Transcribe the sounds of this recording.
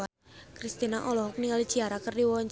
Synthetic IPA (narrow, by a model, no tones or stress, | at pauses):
a | kɾist̪inaʔɔlɔɦɔk̚niŋalid̥ʒ̥iaɾakərdiwɔɲt͡ʃ